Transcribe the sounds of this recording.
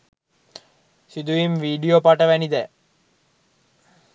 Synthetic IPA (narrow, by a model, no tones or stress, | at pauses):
sid̪uimʋiːɖiopaʈəʋænid̪ɛ